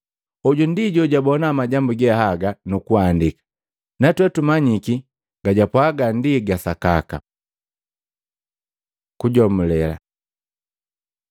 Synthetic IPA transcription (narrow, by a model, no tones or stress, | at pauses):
ɔɟundiɟɔɟabɔnamaɟambuɡɛhaɡanukuandikḁ | natwɛtumaɲiki | ɡ̥aɟapwaːɡandiɡasaka̰ka̰ | kuɟɔmulɛla̰